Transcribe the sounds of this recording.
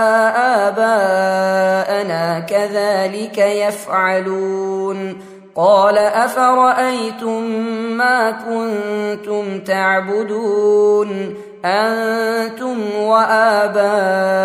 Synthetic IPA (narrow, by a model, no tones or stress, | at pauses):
aʔaːbaː | ʔanaːkaðaːlɪkajafʕaluːn | qɑːlaʔafaɾˤɑʔajt̪ʊmːaːkʊnt̪ʊmt̪aʕbʊd̪uːn | ʔant̪ʊmwaʔaːbaː